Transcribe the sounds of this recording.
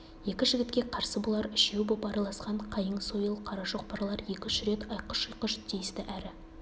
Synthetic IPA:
je̞kʲɪʒɪɡʲɪt̪kʲe̞qʰɑɾsəbolˠɑɾɪʃe̞wbopɑɾɑlˠɑsqɑɴqʰɑjəɴso̞jəlˠqʰɑɾɑʒoq̚pɑɾɑlˠɑɾje̞kʲɪnʃɪɾe̞t̪ɑjqə̥ʃəjqəʃt̪ʰejɪst̪ɪʔæɾɪ

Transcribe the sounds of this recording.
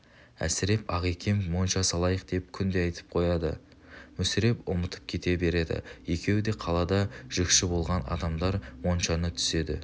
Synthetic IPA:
æ̰sɪɾe̞pɑʁekʲʰe̞mmo̞nʃɑsɑlˠɑjəq̚d̪e̞p̚kʲʰʏnd̪eɑjt̪ə̥p̚qʰo̞jɑd̪ə̰ | mɵsɪɾe̞pʊmət̪ə̥p̚kʲʰe̞t̪e̞be̞ɾe̞d̪ɪ̰je̞kʲʰe̞wd̪e̞qʰɑlˠɑd̪ɑʒ̥əkʃɪbo̞lˠʁɑnɑ̰d̪ɑmd̪ɑɾwo̞nʃɑnət̪ʰʏ̥se̞d̪ɪ̰

